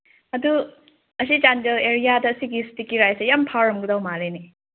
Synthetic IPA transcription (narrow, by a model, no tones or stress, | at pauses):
ɐdu | ɐsid͡ʒanteleɾijadɐːsiɡistikiɾajsɐjampʰaɾɔmɡudawmaleni